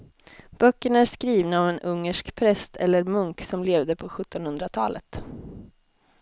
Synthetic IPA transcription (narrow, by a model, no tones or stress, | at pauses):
b̥œkːəɳæʂkɾiːvnaɔvɛnʔɵŋːəʂkpʰɾɛst̪ʰɛ̰lːəɾmɵŋksɔmleːvd̪əpʰɔɧɵt̪ːɔnhɵnd̪ɾat̪ʰɑ̰ːlə̰t̪